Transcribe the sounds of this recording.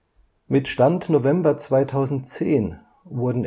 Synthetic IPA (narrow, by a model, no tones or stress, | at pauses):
mɪtʃtantnovɛmbɐt͡sv̥aɪtʰaʊzn̩tt͡seːn | vʊɐdn̩